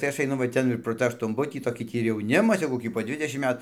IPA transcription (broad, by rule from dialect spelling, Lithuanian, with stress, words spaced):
tɐɪ ˈɐʃ ɐɪˈnʊ ʋɐ ˈtʲɛn ɪr proː ˈtɑː ɐʃtʊnˈbʊtʲiː toːˈkʲiː ˈtʲiː ɪr jɛʊˈnʲɪmɐs jɛʊ koːˈkʲiː poː ˈdʲʋʲɪdʲɛʃʲɪm ˈmʲɛt